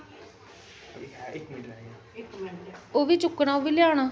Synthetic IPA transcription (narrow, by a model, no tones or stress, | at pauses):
oːʋiːt͡ʃʊkːɽaːoʋiːlɪjaːɽ̃aː